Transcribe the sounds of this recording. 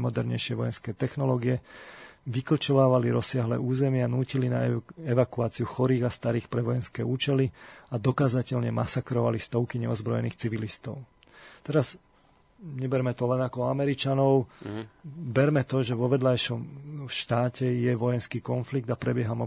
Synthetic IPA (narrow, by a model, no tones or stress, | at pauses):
mɔd̪ɛɾɲɛ̰jʃɪɛʋɔjɛnskɛːt̪ɛxnɔlɔːɡiɛ | ʋikɾ̩t͡ʃɔʋaːʋaliɾɔsːɪaɦlɛːuːzɛmɪanuːcilina̰ɛʋakuaːt͡siuxɔɾiːɣast̪aɾiːxpɾɛʋɔjɛnskɛːuːt͡ʃɛliad̪ɔkaːzacɛʎɲɛmasakɾɔʋa̰list̪ɔʊkiɲɛɔzbɾɔjɛniːxt͡siʋilist̪ɔʊ | t̪ɛɾaz | ɲɛbɛɾmɛt̪ɔlɛnakɔɔamɛɾit͡ʃanɔʊ | bɛɾmɛt̪ɔʒɛʋɔʋɛd̪lajʃɔmʃt̪aːcɛjɛʋɔjɛnskiːkɔnfliɡ̚d̪apɾɛbɪɛɦamɔ